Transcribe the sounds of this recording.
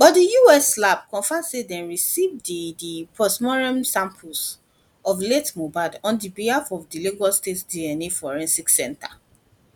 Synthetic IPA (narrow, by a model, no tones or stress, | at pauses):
b̥ɔdijuɛslab̚kɔ̃nfasedɛ̃nɹisivdidipɔsmɔɹɛ̃msãmpʰuls | ɔfletmobadɔ̃ndibihafɔvdiliɡɔstetdiɛnefɔɹɛ̃nsiksɛ̰̃nta